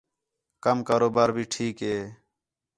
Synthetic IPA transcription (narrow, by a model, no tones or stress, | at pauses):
kəmkaːɾoːbaːɾbʱiːʈʰiːkɦeː